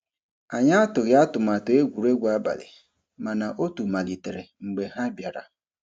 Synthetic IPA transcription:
a˨ɲa˦a˦tʊ˨ɣɪ˨˦a˦tʊ˨ma˨to˨e˦ɡʷu˨ɾe˦ɡʷa˦ba̰˨lɪ̰˨ | ma˨na˨ʔo˦tu˨ma˨li˨te˨ɾe˨ŋ͡m̩˨ɡ͡be˨ɦa˦bja˨ɾa̰˨

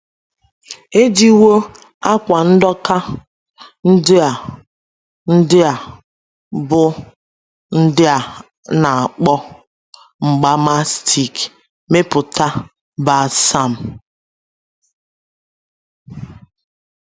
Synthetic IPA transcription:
e˦di˦wo˦ | a˦kʷa˨n̩˦dɔ˦ka˦ | n̩˦dɪ˦a˨ | n̩˦dɪ˦a˨ | bʊ˦ | n̩˦dɪ˦a˨ | na˨a˨k͡pɔ˦ | ŋ͡m̩˨ɡ͡ba˦ma˦stʰi˨k | me˦pʊ˨ta˦ | ba˨sa˦˨m̩˨

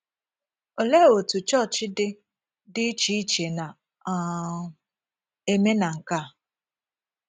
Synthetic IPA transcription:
o˨le˦˨o˨tu˨t͡ʃɔ˦˨t͡ʃɪ˦dɪ˦ | dɪ˦t͡ʃi˦i˦t͡ʃe˨na˨ | e˦me˦na˨ŋ̩˨ka˦˨

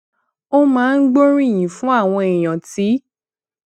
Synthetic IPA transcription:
o˦mãː˦˧n̩˦ɡ͡bo˦ɾĩ˦˨j̃ĩ˨fũ˦a˦˨w̃ɔ̃˧e˨j̃ã˨ti˨˦

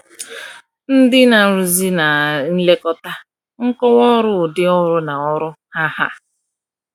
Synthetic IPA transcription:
n̩˦dɪ˦na˨ɾu˨zi˦na˨n̩˦le˦kɔ˦ta˦ | ŋ̩˦kɔ˦wɔ˦ɾʊ˦˨dɪ˦ɔ˦ɾʊ˦na˨ɔ˦ɾʊ˦ | ha˦ha̰˦

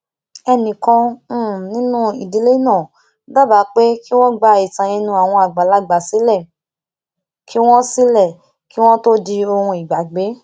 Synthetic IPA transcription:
ɛ˧nĩ˨kɔ̃˧˦˨nĩ˦nũ˦i˨di˨˦le˦nãː˦˨ | ba˦˨ba˨˦k͡pe˦ki˦w̃ɔ̃˦ɡ͡ba˧i˨tã˨jĩ˧nũ˧a˨w̃ɔ̃˧a˨ɡ͡ba˨la˦ɡ͡ba˨si˨˦lɛ˦˨ | kʰi˦w̃ɔ̃˦si˦lɛ˦˨ | ki˦w̃ɔ̃˦to˦di˧o˧hũ˧i˨ɡ͡ba˨ɡ͡be˨˦

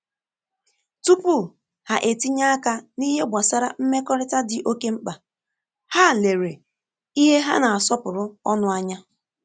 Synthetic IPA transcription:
tu˦pu˦˨ | ha˨ʔe˨ti˦ɲa˦a˦ka˦ni˦ɦe˦ɡʷa˨sa˦ɾa˨m̩˦me˦kɔ˦ɾɪ˦ta˦dɪ˨ʔo˦ke˦ŋ͡m̩˦k͡pa˨ | ha˦˨le˨ɾe˨ | i˦ɦe˦ɦa̰˦na˨a˨sɔ˦pʊ˨ɾʊ˦ɔ˦nʊ˦a˦ɲa˦

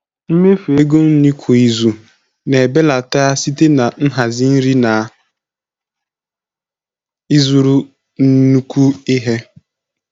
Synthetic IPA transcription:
m̩˦me˦fe˦ɡo˦n̩˦ni˦kʰʷo˨i˨zu˨ | ne˨be˦la˨ta˦a˦si˦te˦na˨n̩˦ɦa˨zi˦n̩˦ɾi˦na˨ | i˦zu˨ɾu˦ | n̩˦nu˦kʷu˦ɪ˦ɦe˦

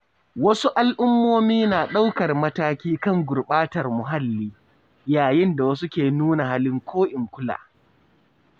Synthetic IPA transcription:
wɐ˦su˦ʔa˦lʔʊ˦mːoː˦miː˦naː˨ɗa˦wkɐ˨rmɐ˦taː˦kʲiː˦kɐ˦˨ŋɡʷʊ˨rɓaː˦tɐ˨rmʊ˨ɦa˦lːiː˦ | jaː˨jɪ˦nda˨wɐ˦s̬u˦kʲeː˨nuː˦na˨ɦa˦lɪ˦ŋkʷʰoː˦ʔɪ˨ŋkʷʊ˦la̰ː˨

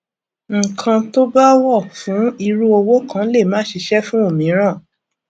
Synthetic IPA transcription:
ŋ̩˨kʰã˧to˦ba˦wɔ˦˨fũ˨˦i˧ɾu˦o˧wo˦kã˦le˦˨mãː˨˦ʃi˧ʃɛ˦fũ˦o˦˨mĩ˨˦ɾ̃ã˦˨

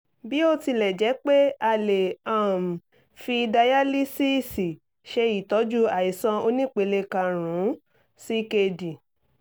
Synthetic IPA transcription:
bi˨˦o˧ti˧lɛ˨d͡ʒɛ˨˦k͡pe˦a˧le˨ã˦˨m̩˨ | fi˧da˧ja˦li˦si˦˨si˨ | ʃe˧i˨tɔ˨˦d͡ʒu˦a˨i˨sã˧o˧nĩ˦˨k͡pe˨˧le˧kã˧ɾ̃ũ˨˦ | si˦ke˧di˨

